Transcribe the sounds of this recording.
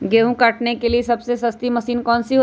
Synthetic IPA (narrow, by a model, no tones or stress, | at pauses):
ɡeũkaʈnekeliesəbsesəst̪iməsiːnkɔːnsiɦo